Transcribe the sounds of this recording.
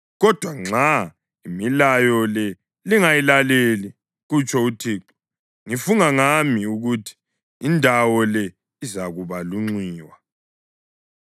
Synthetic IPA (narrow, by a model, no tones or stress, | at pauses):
ɣɔd̥ʱwaŋ͡ǁa | imilajɔlɛ | liŋajilaleli | ɣut͡ʃʰʼɔutʰiǁ | ŋifuŋaŋamiuɣutʰi̥ː | ndʱawɔlɛ | izaɣuβaluŋ͡ǀwiːwa